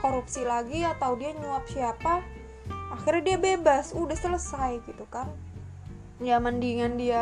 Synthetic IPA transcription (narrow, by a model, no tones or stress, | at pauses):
koɾupsilaɡiat̪awdiaɲuap̚siapa | axirɲadiabebasudahsələsajɡit̪ukan | jaməndiŋandia